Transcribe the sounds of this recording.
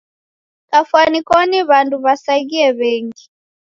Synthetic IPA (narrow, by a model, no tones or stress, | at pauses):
kafwanikɔniβanduβasaɣiɛβɛŋɡi